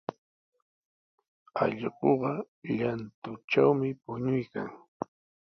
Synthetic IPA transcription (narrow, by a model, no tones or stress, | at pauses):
ɑ̰ʎɢoɢɑ | ʎant̪ʊʈ͡ʂawmɪpʊɲʊjka̰ŋ